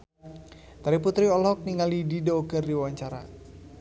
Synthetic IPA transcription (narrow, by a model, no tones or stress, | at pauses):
t̪aɾiput̪ɾiɔlɔk̚niŋalididoɡərdiwwaɲt͡ʃaɾa